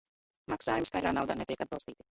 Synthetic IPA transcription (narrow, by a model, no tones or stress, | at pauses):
maksaːjumis̬kajd̪ɾa̰ːnawd̪aːnet̪iɛkad̪̚bɑlˠst̪iːt̪i̥